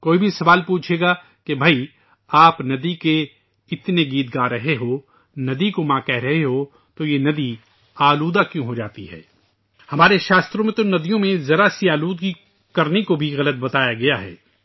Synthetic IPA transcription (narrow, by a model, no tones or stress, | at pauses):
koːibʱisɐʋaːlpuːt͡ʃʰeːɡa | kebʱɐi | aːpnɐd̪ike | ɪt̪neɡiːt̪̚ɡaːɾɐɦeɦo | nɐd̪ikomãːkɛɦɾɐɦeɦo | t̪ojenɐd̪i | aːluːd̪akjõɦod͡ʒaːt̪iɦɛ̰ː | hɐmaːɾeʃaːst̪ɾõmẽt̪onɐd̪ijõmẽzɐɾasiaːluːd̪ɡi | kɐɾnekobʱiɣɐlət̪̚bɐt̪aːjaɡɐjaɦɛ̰ː